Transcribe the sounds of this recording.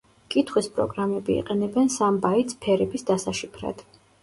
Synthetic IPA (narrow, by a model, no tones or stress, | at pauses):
kʼit̪ʰχwispʼɾɔ̰ɡɾamɛbiḭqʼɛnɛbɛnsambait̪spʰɛɾɛbisd̪asaʃipʰɾa̰d̪̥